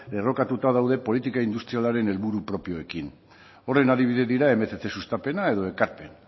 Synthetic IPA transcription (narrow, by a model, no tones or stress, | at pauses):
d̪ero̞kat̪ut̪að̞awðe̞po̞lit̪ikaind̪ust̪ɾialaɾe̞ne̞lβuɾupɾo̞pjo̞e̞kin | o̞re̞naðiβ̞iðeðiɾae̞met̪et͡s̪e̞sust̪ape̞nae̞ðo̞e̞kaɾpe̞̰n